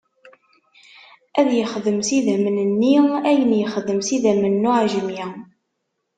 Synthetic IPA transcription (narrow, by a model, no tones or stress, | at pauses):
æðjəχðəmsiðæmənənːiæjənjəχəðəmsiðæmənːuʕʒəmjæ